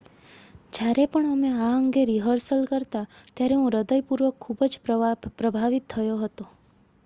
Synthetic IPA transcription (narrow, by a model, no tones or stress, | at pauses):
d͡ʒjaɾepəɳəmeaəŋɡeɾiɦəɾsəlkəɾt̪at̪jaɾeɦũɾəd̪əjpuɾʋəkʰːubəd͡ʒpɾəbʱaʋit̪ʰːəjoɦət̪o